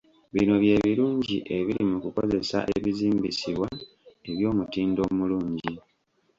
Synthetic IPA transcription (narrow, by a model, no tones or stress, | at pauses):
βino̞βje̞ːβiɾuːɲɟiʔe̞βiɾimukuko̞ze̞sa̰ʔḛβiziːmbisiβwa | e̞βjo̞ːmutiːndo̞ːmuluːɲɟi